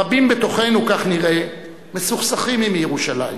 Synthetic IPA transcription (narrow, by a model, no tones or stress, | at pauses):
abimbet̪o̞χe̞nukaχniʁe̞ | mesuχsaχimimjeʁuʃala̰jim